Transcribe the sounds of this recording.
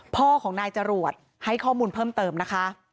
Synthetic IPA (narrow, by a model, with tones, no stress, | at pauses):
pʰɔː˥˩kʰɔː˩˦ŋnaː˧jt͡ɕa˧ɾu˨˩ət̪̚ | ha˥˩jkʰɔː˥˩muː˧npʰɤː˥˩mt̪ɤː˧mna˦˥kʰa˦˥ʔ